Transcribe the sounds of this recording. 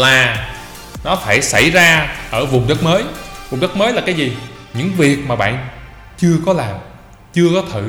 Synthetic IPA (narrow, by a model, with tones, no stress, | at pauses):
laː˨˩ | nɔ˨˦faː˧˩jsa˧˩jzaː˧ʔəː˧˩vʊ˨˩ŋ͡mɗə˦˥t̚məː˨˦jvʊ˨˩ŋ͡mɗə˦˥t̚məː˨˦jla˨˩kaː˨˦jzi˨˩ | ɲɨ̰˧˥ŋvi˨˩ək̚maː˨˩ɓa̰ː˧˨n | t͡ɕɨ˧əkɔ˨˦laː˨˩m | t͡ɕɨ˧əkɔ˨˦t̪ʰɨ̰˧˨